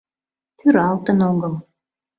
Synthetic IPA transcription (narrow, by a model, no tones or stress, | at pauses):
t̪ʰyɾɑlˠt̪ə̆noɡɤ̆l